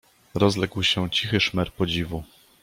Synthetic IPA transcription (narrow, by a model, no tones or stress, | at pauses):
ɾɔzlɛkwɕɛt͡ɕixɘʂmɛɾpɔd͡ʑivu